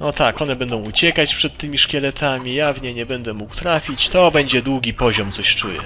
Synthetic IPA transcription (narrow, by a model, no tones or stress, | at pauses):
nɔt̪akɔn̪ɛbɛnd̪ɔ̃w̃ut͡ɕɛkat͡ɕpʂɛt̪ːɘmʲiʂkʲɛlɛt̪ʰamʲijavɲɛɲɛbɛnd̪ɛmukwt̪ɾafʲit͡ɕt̪ɔbɛɲd͡ʑɛd̪wuɡʲipɔʑɔmt̪sɔɕt͡ʂujɛ̰